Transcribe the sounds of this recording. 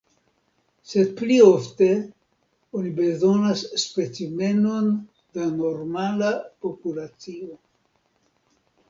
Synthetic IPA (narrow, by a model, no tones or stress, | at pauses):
se̞d̚plio̞fte̞ | onibe̞zo̞nasːpe̞t͡sime̞no̞n | dano̞ɾmalapo̞pulat͡sio